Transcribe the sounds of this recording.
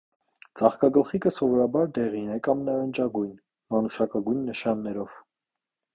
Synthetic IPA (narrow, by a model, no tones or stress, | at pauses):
d͡zɑχkɑɡəlχikəsɔvɔɾɑbɑɾd̪ɛʁinɛkɑmnɑɾənd͡ʒɑɡujn | mɑnuʃɑkɑɡujnːəʃɑnːɛɾɔv̥